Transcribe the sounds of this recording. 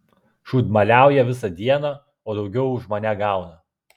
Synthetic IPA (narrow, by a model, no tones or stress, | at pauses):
ʃuːt̪mɐlʲæˑʊjɛʋʲɪsɐd̪ʲiɛnɑ | oːd̪ɒʊɡʲɛʊʊʒmɐnʲæɡɑˑʊnɐ